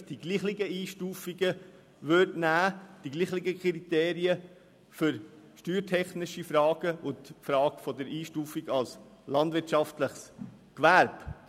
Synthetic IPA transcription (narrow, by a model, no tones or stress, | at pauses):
d̥iɡliːχliɡəiːʃtuːfiɡə | ʋøɾdnæːd̥iɡliːχlɪɡəkɾit̪eːɾiə | fʏɾʃtyːɾtʰɛχnɪʃifɾɑːɡ̥əʔʊntfɾɑːɡ̥fɔd̪əɾiːʃtuːfiɡɑls | lɑndʋɪtʃɑftləχs | kʋæɾb